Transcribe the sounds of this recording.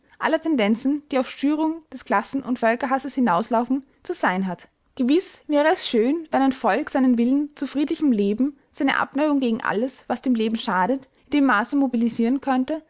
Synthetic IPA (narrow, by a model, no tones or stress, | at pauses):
ʔalətʰɛndɛnt͡sn̩d̥iːaʊfʃtyːʁ̞ʊŋd̥ɛskl̥asn̩ʊ̰ntfœlkɐɦasəshɪnaʊslaʊfn̩ | t͡suz̥aɪnɦat | ɡ̥əvɪsv̥ɛːʁ̞əɛsʃøːnvɛnaɪnfɔlkz̥aɪnənvɪlənt͡sufʁ̥iːdlɪçəmleːbm̩ | z̥aɪnə̰ʔa̰pnaɪʊŋɡeːɡŋ̩ʔa̰ləsvasd̥eːmleːbm̩ʃaːɾət | ɪndeːmːaːsəmobiliziːʁənkʰœntə